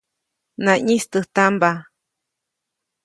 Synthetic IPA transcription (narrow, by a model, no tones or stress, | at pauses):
nãɲĩst̪ɨht̪amba